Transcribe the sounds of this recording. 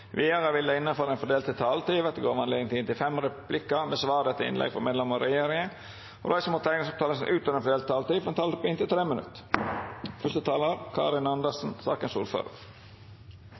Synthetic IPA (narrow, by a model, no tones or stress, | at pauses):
ʋiːəɾəʋɪləɪnːəføːɾɛnfɔɖ̪eːlt̪ət̪ʰɑːlt̪iːʋɑt̪̚d̪əɡoːɾʋɑnleɡənt̪iːd̪ənt̪ɪlfɛmɾɛpʰlɪkːəmeːsʋɑːd̪ɛt̪ʰːəɪ̰nlʔɛ̰ɡfɔ̰ɾmeːd̪lɛmɔɾɛjeːɾɪŋə | ɔ̰ɾʔɑɪsəmuːt̪ʰæɪnɪŋsɑpt̪ʰɑːləsn̩ʔʉːt̪ɔɾɛnfɔɖeːlt̪̚t̪ʰɑːlt̪iːʋɑnt̪ʰɑːlt̪ɔpɪnt̪ɪlt̪ʰɾeːmənʉ̰t̪ː | fœst̪ət̪ʰɑːləɾkʰɑ̰ːɾɪnɑnd̪əsn̩sɑ̰ːkənsṵːɾfø̰ːɾə̰ɾ